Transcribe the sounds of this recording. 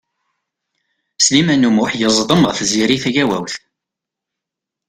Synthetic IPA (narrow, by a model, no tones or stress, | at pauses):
slimænumuħjəzˤd̪ˤəmʁəθziɾiθæʝæwæ̰wθ